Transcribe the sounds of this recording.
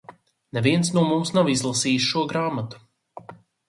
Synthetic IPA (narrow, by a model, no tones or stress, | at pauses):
nɛviɛnsnuɔmumsnavizlˠasiːsʃuɔɡɾaːmat̪u̥